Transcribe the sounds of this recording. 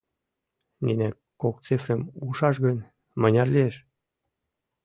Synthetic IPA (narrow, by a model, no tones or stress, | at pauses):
ninækː | ok̚t͡sefrəmuʃɑʃɣənʲ | mɤnʲɑrlʲieʃ